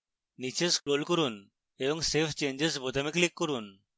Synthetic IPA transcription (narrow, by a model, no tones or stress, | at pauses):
nit͡ʃeskɾolkɔɾun | ebɔŋsepʰt͡ʃend͡ʒesbɔt̪amiklikːɔɾun